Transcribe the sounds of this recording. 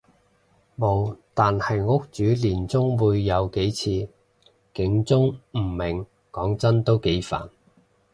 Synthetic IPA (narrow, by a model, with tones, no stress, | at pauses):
mo˨˩wt̪aː˨nhɐ˨jŋʊ˥k̚t͡ʃyː˨˥liː˨˩nt͡sʊ˥ŋwuː˨˧jːɐ˨˧wke˨˥jt͡sʰiː˧ | kɪ˨˥ŋt͡sʊ˥ŋm̩˨˩mɪ˨˩ŋ | kɔː˨˥ŋt͡sɐ˥nt̪o˥wke˨˥jfa̰ː˨˩n